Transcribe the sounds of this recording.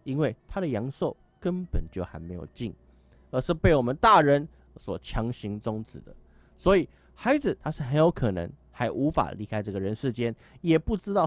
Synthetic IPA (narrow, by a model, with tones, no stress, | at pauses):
i˦˥nwe˥˩ɪt̪ʰa˥d̪ə˨jɑ˧˥˦ŋso˥˨ʊ | kə˦npə̰˨˩nt͡ɕjo˥˩ʊxa˧˥ɪme˧˥ɪjo̰˨˩ʊt͡ɕi˥˩ŋ | ə˧˥ʂɻ̩˥˧pe˥˩ɪwɔ˨˩mə˨˦nt̪a˥˨ɻə˧˦n | swɔ˨˩t͡ɕʰjɑ˧˥ŋɕi˧˥ŋt͡sʊ˥ŋt͡sɹɻ̩̰˨˩d̪ə̰˦ | swɔ˧˦˥i˨˩ | xa˧˥ɪd͡zɹ̩˨t̪ʰa˥ʂɻ̩˥˩xə˧˦njo˧˥ʊkʰɤ˨˩nə̰˧˦ŋxa˧˥ɪʔu˧˥fa̰˨˩li˧˥kʰa˥ɪʈ͡ʂɤ˥˩ɡə˩ɻə˧˦nʂɻ̩˥˩t͡ɕjɛ˦n | jɛ˨˩pu˥˩ʈ͡ʂɻ̩˥t̪ɑ˥˨ʊ